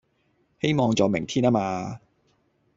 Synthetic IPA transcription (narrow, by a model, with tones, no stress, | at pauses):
he˥jmɔː˨˧ŋt͡sɔː˨wmɪ̰˨˩ŋt̪ʰiː˥naː˥maː˧